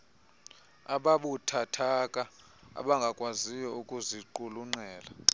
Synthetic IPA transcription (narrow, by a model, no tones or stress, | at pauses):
aɓaɓutʰatʰakʼa | a̰ɓaŋɡʱakʼwazijɔukʼuziǃuluŋ͡ǀɛːla